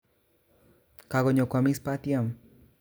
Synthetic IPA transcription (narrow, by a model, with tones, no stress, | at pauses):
ka˨ɡɔ˨ɲɔ˨kwa˨mi˦spa˦t̪ja˦˨m